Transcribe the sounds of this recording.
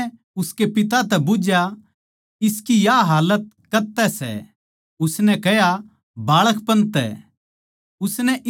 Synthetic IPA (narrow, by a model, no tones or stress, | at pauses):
ʊskepɪt̪̬at̪ɛbʊd͡ʒja | ɪskijaɦaːlət̪̚kɐt̪ɛsɛ̰ | ʊsnɛkɛja | baːɭəkʰpɐ̃nt̪ɛ̰ | ʊsnɛʔɪ